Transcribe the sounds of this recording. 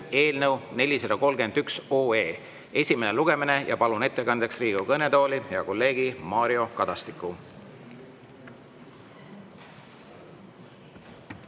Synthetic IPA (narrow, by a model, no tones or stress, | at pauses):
e̞ːlnəwne̞lʲised̪ɑko̞lɡe̞nd̪yksoːeː | e̞sʲime̞neluɡ̥e̞mine̞jɑ̰pɑlune̞t̪ːe̞kɑnd̪̥e̞ksriːɡ̥ukɤne̞t̪o̞ːlʲijɑko̞lːe̞ːɡ̥imɑːɾio̞kɑd̪̥ɑst̪ikːˑu